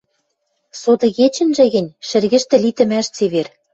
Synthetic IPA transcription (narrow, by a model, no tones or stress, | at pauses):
sod̪ɤ̆ɣet͡ɕɘ̆nʒɘ̆ɣɘ̆nʲʃɘ̆rɣɘ̆ʃt̪ɘ̆lit̪ɘ̆mæʃt͡seβer